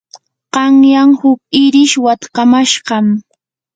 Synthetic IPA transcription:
qɑŋjaŋhʊkɪɾɪʃwat̪kamaʃɢɑm

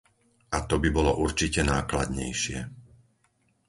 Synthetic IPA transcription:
ʔat̪ɔbibɔlɔʔuɾt͡ʃicɛnaːklad̪ɲɛ̰jʃɪɛ

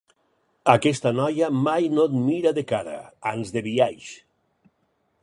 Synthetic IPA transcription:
akɛst̪anɔjamajnot̪miɾaðekaɾa̰anzðeβiaʒ

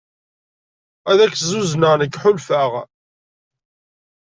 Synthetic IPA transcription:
æðækːzuznəʁnəkːħʊlfəʁ

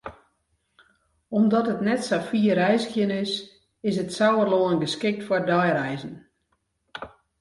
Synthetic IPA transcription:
omdɔtətnɛtsafiərɛjzəxjənɪs | ɪsətsawərloənɡəskɪk̚tfwɔrdɔjɾɛjzən̩

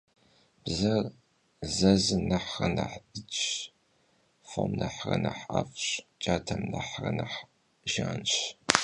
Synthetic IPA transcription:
b̥zɐr | zɐzɨnɐħrɐnɐħɨt͡ʃ | fomnɐħrɐnɐħɐ̰fɕʼt͡ʃʼaːtʰɐmnɐħrɐnɐħ | ʒaːnɕ

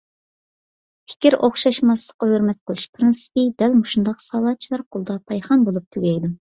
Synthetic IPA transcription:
pʰɪ̥kʲiɾʔoχʃɑʃmɑslˠə̥qːɑhøɾmɛt̪̚qʰəlˠɨʃpʰɾɨnsɨ̥pɨd̪ɛlmuʃund̪ɑqsɑːlˠɑt̚t͡ʃʰilˠɑɾqʰolˠd̪ɑpʰɑjχɑmbolˠup̚t̪ʰyɡʲɛjd̪um

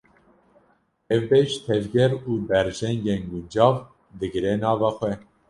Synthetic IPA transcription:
ɛvbeʃt̪ʰɛvɡɛɾuːbɛɾʒɛŋɡeːnɡund͡ʒɑːv | d̪ɨɡɨɾenɑːvɑːxʷɛ

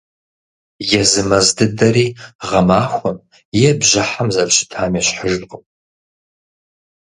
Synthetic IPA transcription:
jɛzɨmɐzdɨdɐɾiːʁɐmaːxʷɔm | jɛbʑɐħamzɐlɕɪ̥tʰaːmɛɕħəʒqəpʼ

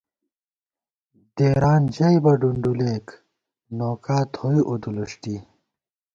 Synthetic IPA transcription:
d̪̥eːɾaːnd͡ʑɐjbɐɖuɳɖuleːk | noːkaːt̪ʰhojiʔud̪uluʂʈi

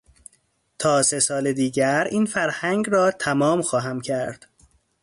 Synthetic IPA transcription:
t̪ʰɒːse̞sɒːled̪iːɟæɾiːnfæɾhæŋɡɾɒːt̪ʰæmɒːmxɒːɦæmcʰæɾd̪̥

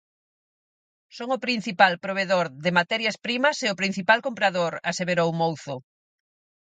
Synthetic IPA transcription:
soŋʊpɾin̟θipalpɾoβ̞eðoɾðɪmat̪ɛɾjɐspɾimɐseʊpɾin̟θipalkompɾaðoɾaseβeɾowmowθʊ

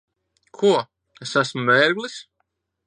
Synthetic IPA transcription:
kʰuɔ | esæsmuvɛːɾɡlˠis

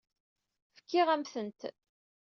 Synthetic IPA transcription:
fə̥kːɪʁæmθənt̪

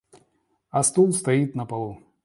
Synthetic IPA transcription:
ɐst̪ulˠst̪ajit̪nɐpalˠu

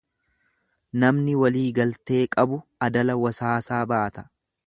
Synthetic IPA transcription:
nɐmnɪwɐliːɡɐlt̪e̞ːkʼɐbʊɐd̪ɐlɐwɐsaːsaːbaʔɐt̪ɐ̥

